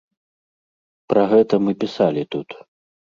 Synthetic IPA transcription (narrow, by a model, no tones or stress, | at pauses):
pɾɐɣɛt̪ɐmɨpʲisalʲit̪ut̪